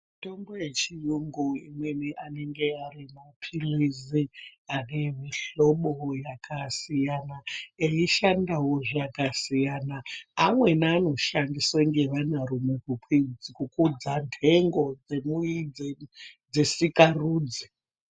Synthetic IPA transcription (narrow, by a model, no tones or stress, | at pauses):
mto̞mbojet͡ʃijuŋɡuḭmweneʔane̞ŋɡe̞arimapʰiliziaremiɬo̞ɓojakʰasijanaeiʃandawoʐakasijanaamwe̞naːno̞ʃandisweŋɡeʋanaɾumukukʰid͡zikukud͡zantʰe̞ŋɡo̞d͡zemujid͡zed͡ze̞sikaruːd͡zi